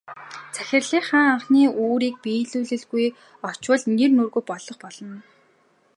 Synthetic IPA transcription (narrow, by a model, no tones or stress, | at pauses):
t͡sʰæxʲɪ̆rɮiːχaːŋaɴχniːʔoːɾiːk̚piːɮuːɮɘ̆ɮɣuj | ɔt͡ɕwə̆ɮnernurɣujpɔɮɞ̆χpɔɮɞ̆n